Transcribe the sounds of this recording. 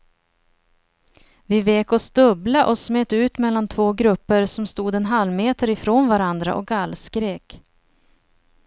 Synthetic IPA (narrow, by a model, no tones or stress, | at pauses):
vɪveːkɔsd̪ɵblaʔɔsmeːt̪ʉ̟ːt̪mɛlːant̪ʰvoːɡɾɵpːəɾsɔmst̪uːd̪ɛnɦalmeːt̪əɾɪfɾoːnvaɾand̪ɾa̰ʔɔk̚ɡalːskɾeːk